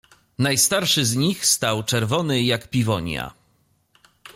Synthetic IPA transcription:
najst̪aɾʂɘzɲixst̪awt͡ʂɛɾvɔnɘjakpʲivɔɲja̰

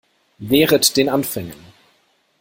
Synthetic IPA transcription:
vɛːʁətd̥eːnanfɛŋən

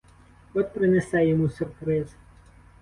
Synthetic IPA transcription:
ɔt̪ʲpɾɪnesɛjɔmusʲʊrpɾɪzɐ

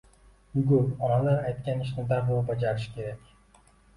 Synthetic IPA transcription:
ʊɡɵpɒnalaɾajt̪̚kʲanɪʃ̬nɪd̪aɾbolˠbad͡ʒaɾɪʃkʲʰe̞ɾakʲ

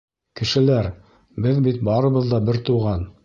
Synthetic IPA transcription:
kɘ̆ʃɘ̆læɾ | bɘðbit̪̚bɑɾɤ̆βɤ̆ðd̪ɑbɘɾt̪uʁɑn

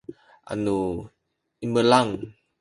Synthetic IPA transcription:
ʔa̰nu | iməlaŋ

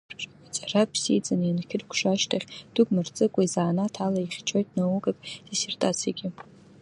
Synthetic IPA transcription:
ʈ͡ʂʼat͡sʼarapʰsid͡zanjankʲʰɪrkʷʰʂaʃtʰaχʲd̥ʊɡʷmart͡sʼɨkʷʼaizaːnatʰalaiχʲt͡ʃʰo̞jtʼnawuɡakʼd̥isertʼat͡sʰijaɡʲɪ

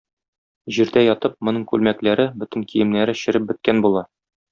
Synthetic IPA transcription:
ʑiɾd̪æjɒt̪ɤp̚mŏnɤɴkʉlmæklæɾɘbɵ̆t̪ɘ̆ŋkijɘ̆mnæɾɘɕɘ̆ɾɘp̚bɘ̆t̪̚kænbulˠɑ

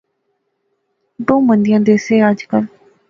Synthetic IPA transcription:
d̪õːmə̃nd̪ijãːd̪eːseːəd͡ʒkəl

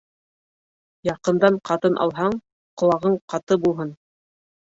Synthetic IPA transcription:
jɑqɤ̆nd̪ɑɴqɑt̪ɤnʔɑ̰lˠɦɑɴ | qŏlˠɑʁɤɴqɑt̪ɤbulˠɦɤn

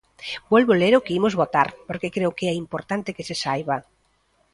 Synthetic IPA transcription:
bwɔlβoleɾokeimozβot̪a̰ɾpoɾkekɾewkeɛimpoɾt̪ant̪ekesesajβa

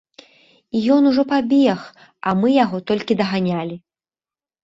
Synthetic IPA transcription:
ijɔnuʐɔpabʲɛx | ɐmɨjaɣɔt̪ɔlʲkʲid̪ɐɣanʲalʲi

